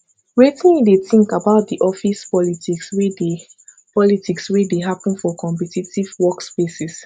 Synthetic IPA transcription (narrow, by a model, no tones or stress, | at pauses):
ɹetĩndetĩŋkabaʊt̚diʔɔfispɔlitikswide | pɔlitʰikswideɦapə̃nfɔkʰɔ̃mpɛtitivwɔkspesis